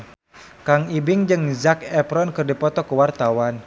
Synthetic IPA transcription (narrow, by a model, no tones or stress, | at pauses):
kaŋibɪŋd͡ʒɨŋzakɛpɾɔnkɨrdipɔt̪ɔkəwart̪awan